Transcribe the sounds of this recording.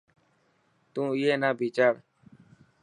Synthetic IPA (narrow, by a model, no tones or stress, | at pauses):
t̪ũːɪjeːnaːbiːt͡ʃaːɾ